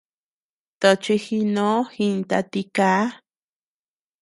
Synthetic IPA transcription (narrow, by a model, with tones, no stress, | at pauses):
t̪o˧˨t͡ʃi˧xi˧nõ˦xi˧nt̪a˧t̪i˧kaː˦